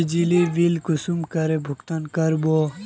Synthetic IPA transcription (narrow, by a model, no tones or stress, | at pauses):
d͡ʒiliʋilkusumkɐɾebʱukt̪ɐnkɐɾbo